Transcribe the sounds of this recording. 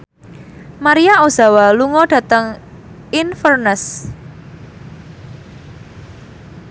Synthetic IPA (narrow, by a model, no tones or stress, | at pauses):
maɾiaʔoz̥a̤waluŋɔɖ̥ä̤t̪əŋ | infərnəs